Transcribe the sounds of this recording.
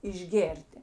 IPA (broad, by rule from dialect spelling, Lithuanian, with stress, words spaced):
ɪʒʲˈɡʲeːrʲtʲɪ